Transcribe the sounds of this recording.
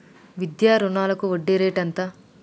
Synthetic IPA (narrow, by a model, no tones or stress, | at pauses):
ʋid̪jaːɾunaːlɐkuoɖːeɾeːʈɐnt̪a